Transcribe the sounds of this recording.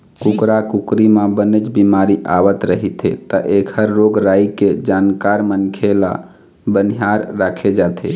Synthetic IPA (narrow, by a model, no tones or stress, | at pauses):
kukɾakukɾimabənət͡ʃbimaɾiʔaʋət̪ɾəɦit̪ʰḛt̪əʔekʰəɾːoɡɾajked͡ʒankaɾmənkʰela̰ | bəniɦaɾːakʰed͡ʒat̪ʰḛ